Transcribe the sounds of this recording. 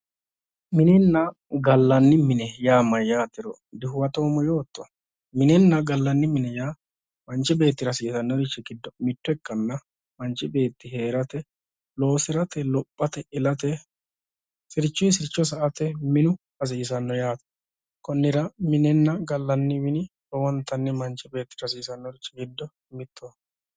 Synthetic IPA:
mɪnɛnːɐ | ɡɐlːɐnːɪmɪnɛjaːmɐjːaːt̪ɪɾɔ | d̪ɪhʊwɐt̪oːmɔjoːt̪ːɔ̥ | mɪnɛnːɐɡɐlːɐnːɪmɪnɛjaː | mɐnt͡ʃːɪbe̞ːt̪ːɪɾɐsiːsɐnːɔɾɪt͡ʃːɛkɪd̪ːɔmɪt̪ːʊɛkːɐnːɐ | mɐnt͡ʃːɪbe̞ːt̪ːɪɦe̞ːɾɐt̪ɛ | lo̞ːsɪɾɐt̪ʰɛlɔpʼːɐt̪ɛʔɪlɐt̪ɛ | sɪɾt͡ʃːʊjsɪɾt͡ʃːɔs̬ɐʔɐt̪ɛmɪnʊ | ɐs̬iːs̬ɐnːɔjaːt̪ɐ̥ | kɔnːɪɾɐmɪnɛnːɐɡɐlːɐnːɪmɪnɪbɔwɔnt̪ːɐnːɛmɐnt͡ʃːɪbe̞ːt̪ːɪ̥ɾɐsiːsɐnːɔɾɪt͡ʃːɪɡɪd̪ːɔ | mɪt̪ʰːo

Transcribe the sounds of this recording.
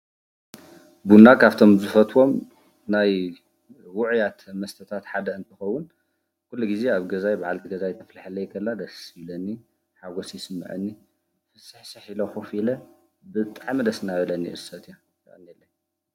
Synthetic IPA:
bunːakʰaβt̪ʰomzɨfɐt̪wo̞m | naj | wʊʕjat̪mɐst̪ʰɐt̪ʰat̪ħad̪ɐɨnt̪ʰɨxɐwːʊn | kulːuɡize̞aβɡɐzajbaʕalt̪iɡɐzajt̪ʰɐflaħalːɐjɪkʰɐlːad̪ɐssilɐnːi | ħaɡosjsɨmːɨ̰ʕɨ̰nːi | fɨsɨħsɨħiloxofilɐ | bɨt̪ʼaʕmid̪ɐsɨnaβɐlɐnːḭʔɨsɐt̪ʰjo | kɐ̰ɨnːelːɐn

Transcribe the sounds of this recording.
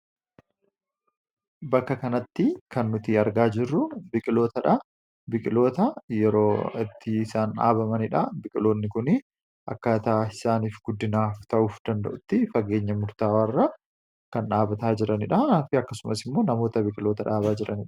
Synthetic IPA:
bɐkːɐkɐnɐt̪ːɪkɐnːʊt̪ɪɐɾɡaːd͡ʒɪrːʊbɪkʼɪlo̞ːt̪ɐᶑɐ | bɪkʼɪlo̞ːt̪ɐjɛɾo̞ːɪt̪ːɪsaːna̰ːbɐmɐnɪᶑɐbɪkʼɪlo̞ːnːɪkʊnɪ | ʔɐ̰kːɐt̪ɐaɪsaːniːfɡʊd̪ːɪnaːft̪ɐʔuːfd̪ɐnd̪ɐ̰ʔʊt̪ːɪfɐɡe̞ːɲːɐmʊɾt̪aːwɐrːɐ | kɐnᶑaːbɐt̪aːd͡ʒɪɾɐnɪᶑɐfɪɐkːɐsʊmɐsɪmːoːnɐmo̞ːt̪ɐbɪkʼɪlo̞ːt̪ɐᶑaːβaːd͡ʒɪɾɐ̰nɪᶑɐ̥

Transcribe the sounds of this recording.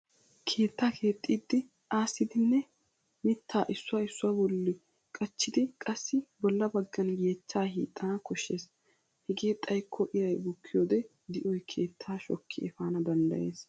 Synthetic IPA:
kʰe̞ːt̪ːaːkʰe̞ːt̪ʼːiːd̪ːɪ | ʔaːsɪd̪ɪnːɛ | mɪt̪ʰːaːʔɪsːʊwaːɪsːʊwaːbɔlːɪ | kʼɐt͡ʃːɪd̪ɪkʼɐsːɪbɔlːɐbɐɡːɐnjeːt͡ʃːaːɦḭːt̪ʼːɐnɐkɔʃːe̞ːs | hɛɡe̞ːt̪ʼɐjkʰːɔʔɪɾɐjbʊkʰːɪjoːd̪ɛ | d̪ɪʔɔjkʰe̞ːt̪ʰːaːʃɔkʰːɪɛfaːnɐd̪ɐnd̪ɐ̰je̞ːs

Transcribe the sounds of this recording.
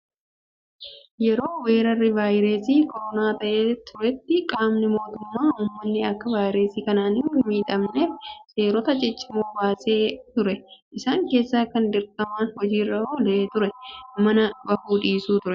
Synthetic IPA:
jɛɾo̞ːwe̞ːɾɐrːɪvaːjɾeːsiːkʰɔɾɔnaːt̪ɐʔeːt̪ʰʊɾɛt̪ːɪkʼaːmnɪmo̞ːt̪ʊmːaːuːmːɐnːɪɐkːɐvaːjɾeːsiːkɐnaːnɪmiːᶑ̪ʼɐmneːfse̞ːɾɔt̪ɐd͡ʒɛt͡ʃːɪmoːbaːseːt̪ʊɾɛʔɪsaːŋke̞ːsːaːkɐnd̪ɪɾkɐmaːnhɔd͡ʒiːrːɐhɔleːt̪ʊɾɛmɐnɐbɐhuːᶑiːsuːt̪ʊɾɛ

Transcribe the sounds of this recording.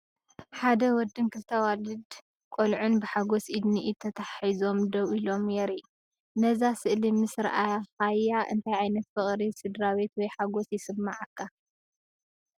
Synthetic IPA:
ħad̪ɐwɔd̪ːɨnkʰɨlt̪ʰawalɨd̪ | kʷʼolʕunbɨħaɡosʔid̪niʔit̪ʰɐt̪ʰaħizo̞md̪ɐwʔilo̞mjɛɾi | nɐzasɨʔlimɨsɾʔajhajːaʔɨ̰nt̪ʰajʕajnɐt̪fɨχʼɾisɨd̪ɾaβe̞t̪wɔjħaɡosjɪsɨmːaʕɨkʰːa

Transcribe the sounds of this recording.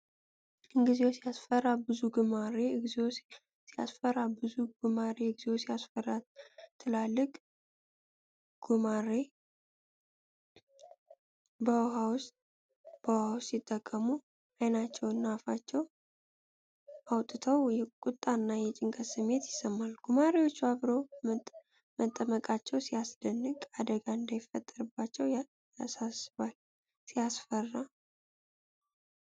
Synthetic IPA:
ʔɨŋɡizewsijasfərːabɨzuɡɨmaɾezeo | sija̰sfərːabɨzuɡɨmaɾeɨɡzewosijasfərːat̪ʰːɨlalːɨkʼ | ɡ̥umaɾe | bəwɦawʊst̪̚ʼ | b̥əwhawʊst̪ːit̪ʼːəkʼːəmu | ajnat͡ʃːɛwɨnːafat͡ʃːɛw | ʔawt̪ʼɨt̪ʰəwjɛkʼut̪ʼːanːajɛt͡ʃʼɪŋkʼəsɨmːe̞t̪jɪsəmːalɡ̥umaɾiwo̞t͡ʃːuaβɾo̞ | mət̪ʼːəməkʼat͡ʃːɛwsijasd̪ənːɨkʼad̪əɡaɨnd̪ajɪfət̪ʼːəɾɨbːat͡ʃːɛw | ja̰sasβal | sijasfərːa

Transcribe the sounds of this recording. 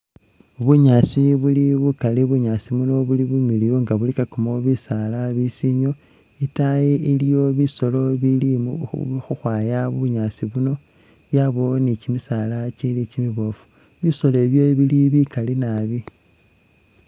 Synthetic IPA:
βuɲasiβuliβukaliβuɲasimuno̞βuliβumilijoŋɡaβulikakomoβisalaβisiɲo̞ | itajeilijo̞βiso̞lo̞βili | xuxwaːjaβuɲasiβuno̞ | βjaβo̞nicimisalat͡ʃelicimiβo̞fu̥ | βiso̞leβjo̞βiliβikalinaβi

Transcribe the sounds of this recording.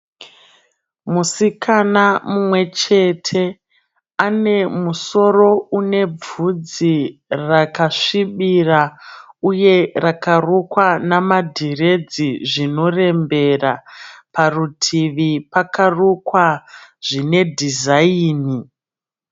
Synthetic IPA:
musikʰanamumwe̞t͡ʃe̞tʰe̞ | ane̞muso̞ro̞une̞b͡vud͡zirakaʂiɓirauje̞rakarukwanamadʱire̞d͡ziʐino̞re̞mbe̞raparutʰiʋipakarukwaʐine̞dʱizaiːni

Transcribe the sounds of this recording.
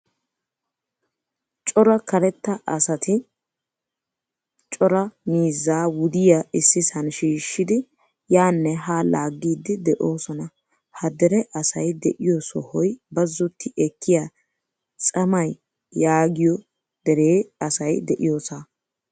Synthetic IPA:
t͡ʃʼɔɾɐkɐɾɛt̪ːɐʔɐ̰sɐt̪ʰɪ | t͡ʃʼɔɾɐmiːzːaːwʊd̪ɪjaɪsːɪsɐnʃiːʃːɪd̪ɪ | jaːnːɛɦaːlaːɡːiːd̪ːɪd̪ɛʔo̞ːsɔnɐ | hɐd̪ɛɾɛʔɐsɐjd̪ɛ̰ʔɪjɔsɔhɔjbɐzːɔt̪ːɪʔɛkʰːɪja | t͡sʼɐmɐjː | aːɡɪjɔ | d̪̥ɛɾeːɐsɐjd̪ɛʔɪjo̞ːsa

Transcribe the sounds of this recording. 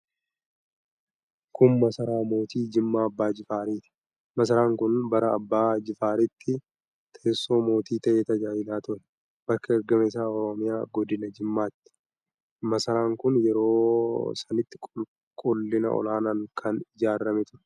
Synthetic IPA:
kʊmːɐsɐɾaːmo̞ːt̪iːd͡ʒɪmːaːɐbːaːd͡ʒɪfaːɾiːt̪ɪ̥ | mɐs̬ɐɾaːŋkʊnbɐɾɐɐbːaːd͡ʒɪfaːɾɪt̪ːɪ | t̪ʰeːsːo̞ːmo̞ːt̪iːt̪ɐʔeːt̪ɐd͡ʒaːjɪlaːt̪ʊɾɛ̥ | b̥ɐɾkɐɛɾɡɐmeːs̬aːɔɾɔmɪja̰ːɡɔd̪ɪnɐd͡ʒɪmːaːt̪ːɪ̥ | mɐsɐɾaːŋkʊnjɛɾo̞ːsɐnɪt̪ːɪ̥kʼʊl | kʼʊlːɪnɐ̰ʔɔ̰laːnaːŋkʰɐnɪd͡ʒaːrːɐmɛt̪ʊɾɛ̥

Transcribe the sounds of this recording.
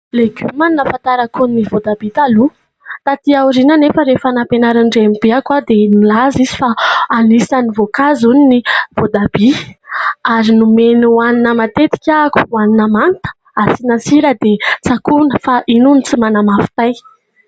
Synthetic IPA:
leɡymaninəfant̪aɾakunnivod̪abit̪alu | t̪at̪iawɾinanefəɾefanapenaɾaɳɖ͡ʐemibeakwad̪emilazizi̥faːlisanivokazuninivod̪abi | aɾinumenuaninəmat̪et̪i̥kʲaku̥waninəmant̪ə̥ | asinasiɾəd̪et͡sakunəfaʔinunit͡simanamafi̥t̪aj

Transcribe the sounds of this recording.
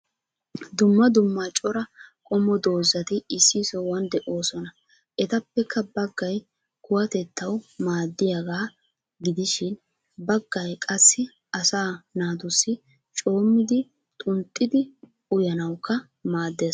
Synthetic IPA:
d̪ʊmːɐd̪ʊmːat͡ʃʼɔɾɐkʼɔmːɔd̪o̞ːzːɐt̪ɪɪsːisɔwɐnd̪ɛʔo̞ːsɔnɐ | ʔɛt̪ɐpːɛkːɐbɐɡːɐj | kʊwɐt̪ɛt̪ːɐwmaːd̪ːɪjaɡaː | ɡɪd̪ɪʃɪn | bɐɡːɐjkʼɐsːɪ | ɐsaːnaːd̪ʊsːɪ | t͡ʃʼo̞ːmːɪd̪ɪ | t̪ʼʊnt̪ʼːɪd̪ɪ | ʊjɐnɐwkːɐ | maːd̪ːeːs

